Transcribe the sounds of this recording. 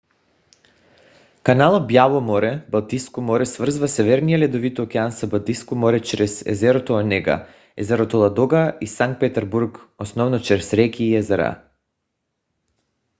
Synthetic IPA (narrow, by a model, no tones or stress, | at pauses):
kanalˠobjavɔmɔɾɛbalˠt̪iskɔmɔɾɛsvr̩zvasɛvɛɾnijalɛd̪ovit̪ɔːkʲɛansabalˠt̪iskɔmɔɾɛt͡ʃɾɛsɛ̰zɛɾot̪ɔanɛɡa̰ | ɛzɛɾot̪ɔlˠad̪ɔɡaisaŋk̚t̪̚pɛt̪ɛɾbuɾkɔsnɔvnɔt͡ʃɾɛsɾɛkiːɛzɛɾa̰